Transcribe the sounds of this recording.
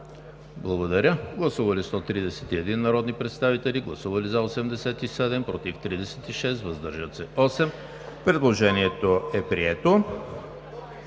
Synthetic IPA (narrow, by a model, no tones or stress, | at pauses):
blˠɐɡod̪ɐɾʲəɡlˠɐsuvɐlist̪ɔt̪ɾid̪ɛsɛ̥t̪iɛd̪inːɐɾɔd̪nipɾɛt̪st̪avit̪ɛliɡlˠɐsuvɐlizɐosɛmd̪ɛsɛt̪isɛd̪ɛmpɾɔt̪ift̪ɾid̪ɛsɛt̪iʃɛst̪vɐzd̪əɾʒət̪sɛɔsɛm | pɾɛd̪lˠoʒɛniɛt̪oɛpɾiɛt̪o